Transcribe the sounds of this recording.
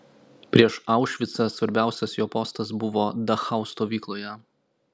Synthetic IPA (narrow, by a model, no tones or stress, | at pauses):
pʲɾʲiɛʃɑˑʊʃʲʋʲɪt̪sɐsʋɐɾʲbʲæˑʊsʲɛsjoːpɔːst̪ɐsbʊʋoːd̪ɐxɑˑʊst̪oːʋʲiːklˠoːjɛ